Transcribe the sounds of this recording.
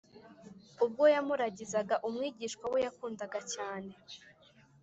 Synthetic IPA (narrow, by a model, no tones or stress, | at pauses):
ub̚ɡo̞jamuɾaɟizaɡaʔumŋiːɟiʃkwawejakuːndaɡacaːne̞